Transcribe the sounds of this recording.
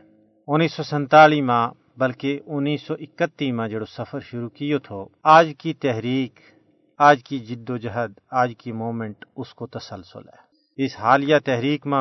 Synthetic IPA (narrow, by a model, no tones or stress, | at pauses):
ʊnːiːsːɔːsə̃nt̪aːliːmã | bɐlkeʔʊnːiːsːɔːʔɪkət̪ːiːmãːd͡ʒɐɽosɐpʰəɾʃʊɾuːkɪjot̪ʰoaːd͡ʒkit̪ɛɦɾiːk | aːd͡ʒkid͡ʒɪd̪ːoːd͡ʒɐɦəd̪aːd͡ʒkimoːmə̃ɳʈʊskot̪ɐsəlsʊ̰lɛ̰ː | ɪsɦaːlɪjaːt̪ɛɦɾiːkmã